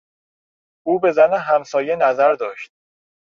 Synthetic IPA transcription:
ʔuːbe̞zæneɦæmsɒːje̞næzæɾd̪ɒːʃt̪̚

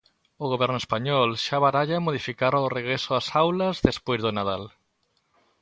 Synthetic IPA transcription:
oɣoβ̞ɛɾnoespaɲɔlʃaβaɾaʎamoð̞ifikaɾoreɣ̞ɾesoasawlazðespwezðonað̞al

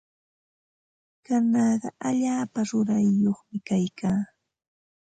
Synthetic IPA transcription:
kanɑːɢɑ̰ʔaʎaːpaɾʊɾajːoχmɪkajkaː

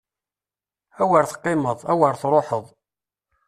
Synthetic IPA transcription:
æwəɾθə̥qːɪməðˤæwəɾθɾˤoħəðˤ

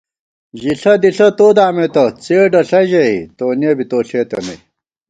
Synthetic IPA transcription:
ʑiɬɐd̪iɬɐt̪oːd̪aːmet̪ɐt͡seːɖɐɬɐʑɐit̪oːnebit̪oːɬeːt̪ɐnɐ̰j

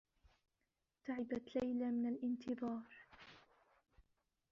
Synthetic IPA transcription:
t̪aʕɪbat̪lajlamɪnalʔɪnt̪ɨðˤɑːɾ

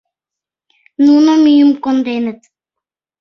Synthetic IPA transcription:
nunomijumkond̪enɘt̪

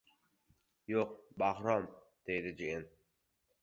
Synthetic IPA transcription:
joq̚baɦɾɒm | d̪̥ejd̪ɪd͡ʒien

